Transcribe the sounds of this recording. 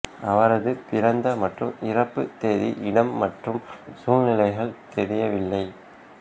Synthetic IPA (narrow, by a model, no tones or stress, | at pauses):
ɐʋɐɾɐðɯpɪɾɐnd̪ɐmɐʈrɯmɪrɐpːɯt̪eːðiʔɪɽɐmːɐʈrɯmsuːlnɪlɐɪɣɐɭt̪ɛɾɪjɐʋɪlːɐɪ